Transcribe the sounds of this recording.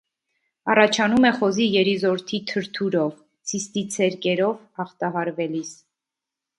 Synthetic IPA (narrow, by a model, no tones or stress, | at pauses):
ɑrɑt͡ʃʰɑnumɛχɔzijɛɾizɔɾt̪ʰit̪ʰəɾt̪ʰuɾɔv | t͡sʰist̪it͡sʰɛɾkɛɾɔv | ɑχt̪ɑɦɑɾvɛlis